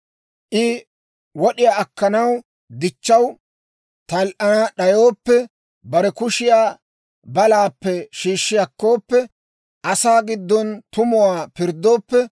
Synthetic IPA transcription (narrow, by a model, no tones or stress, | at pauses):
ʔɪ | wɔɗɪjaːʔɐkːɐnɐw | d̪ɪt͡ʃːɐw | t̪ɐlʔɐnɐɗɐjo̞ːpːɛ | bɐɾɛkʊʃɪjaː | bɐlaːpːɛʃiːʃːɪjɐkːo̞ːpːɛ | ʔɐsaːɡɪd̪ːɔnt̪ʊmʊwaːpɪɾd̪ːo̞ːpːɛ